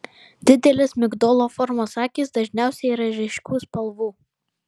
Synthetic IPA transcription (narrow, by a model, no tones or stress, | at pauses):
d̪ʲɪd̪ʲɛlʲɪsmʲɪɡd̪ɔːlˠoːfɔɾmoːsɑːkʲiːsd̪ɐʒʲnʲæˑʊsʲɛɪɾɐʒʲɪʃʲkʲuːspɐlˠʋuː